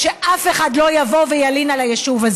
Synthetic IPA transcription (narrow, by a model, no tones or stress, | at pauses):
ʃeʔafe̞χadlo̞javovejalinalajeʃuvaz